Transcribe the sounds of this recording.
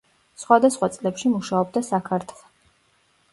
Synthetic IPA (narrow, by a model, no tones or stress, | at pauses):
sχwad̪asχwat̪sʼlɛpʃimuʃaɔb̚d̪asakʰaɾt̪ʰlˠɛ